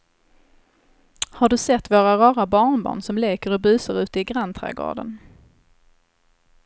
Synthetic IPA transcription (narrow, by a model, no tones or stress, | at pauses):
haɖɵsɛt̪ːvoːɾaɾɑːɾabɑːɳbɑ̰ːɳsɔmleːkəɾɔbʉ̟ːsəɾʉ̟ːt̪əɪɡɾant̪ʰɾɛ̰ːɡo̰ːɖə̰n